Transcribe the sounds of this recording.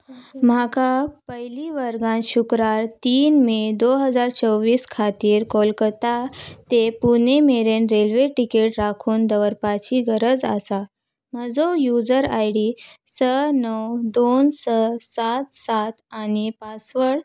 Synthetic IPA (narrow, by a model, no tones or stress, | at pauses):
m̤akapəɦiliʋəɾɡãnɕukɾaɾt̪iːnmed̪oɦəd͡zaɾt͡ɕəwʋiːskʰat̪iːɾkolkət̪at̪epunemeɾenɾelʋeʈikeʈɾakʰuːnd̪əʋəɾpat͡ɕiːɡəɾəd͡za̰sa | m̤əd͡zojud͡zəɾajɽisənəwd̪onsəsat̪sat̪anipasʋəɽ